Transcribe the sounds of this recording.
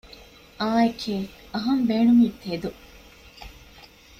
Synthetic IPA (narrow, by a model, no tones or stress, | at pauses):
ʔaːekʰeː | ɐɦɐmbeːɳumiːt̪ed̪u